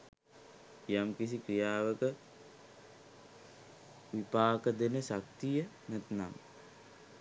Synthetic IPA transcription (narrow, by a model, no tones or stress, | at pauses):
jamkis̬ikrijaːʋəkə | ʋipaːkəd̪enəʃak̚t̪ijə | næt̪na̰m